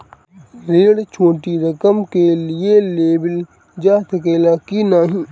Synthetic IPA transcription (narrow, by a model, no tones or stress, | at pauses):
ɾeːɽt͡ʃʰoːʈiɾəkəmkelɪeleːbəl | d͡ʒaːt̪əkeːlaːkinaːɦĩː